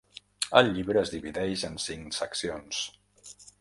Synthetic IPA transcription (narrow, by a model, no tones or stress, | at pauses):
əlʎːiβɾəːzðiβiðɛʒənsiŋsəksions